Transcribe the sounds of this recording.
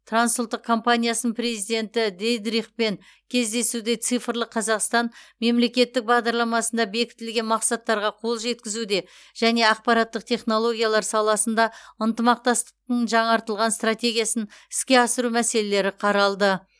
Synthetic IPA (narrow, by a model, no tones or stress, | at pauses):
t̪ʰransulˠt̪ːəqkʰːo̞mpanʲijasənpre̞zijd̪e̞nt̪ɪd̪ejd̪ɾiχpe̞ŋ | kʲʰe̞zd̪e̞sud̪e̞t̪sɨjfɾlˠəqʰːɑzɑqst̪ɑnme̞mle̞kʲe̞t̪ːɪk̚bɑʁd̪ɑɾlˠɑmɑsənd̪ɑbe̞kʲɪ̥t̪ɪlɡʲe̞nmɑqsɑt̪ːɑɾʁɑqʰo̞lˠʒe̞t̪kʲɪzud̪e̞ | ʒ̥æne̞ɑqpɑɾɑt̪ːəq̚t̪ʲʰe̞χno̞lˠo̞ɡʲijalˠɑɾsɑlˠɑsənd̪ɑənt̪əmɑq̚t̪ɑst̪ə̥q̚t̪əɴʒɑɴɑɾt̪əlˠʁɑnst̪rat̪ʲe̞ɡʲijasənɪ̥skʲe̞ɑsəɾumæse̞le̞le̞ɾɪqʰɑɾɑlˠd̪ə